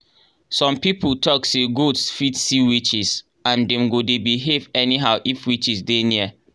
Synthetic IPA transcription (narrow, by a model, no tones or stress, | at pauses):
sɔ̃mpipʰultʰɔkseɡodsfitsiwit͡ʃis | ãndɛ̃mɡodebiɦevɛniɦaʊʔifwit͡ʃisdeniə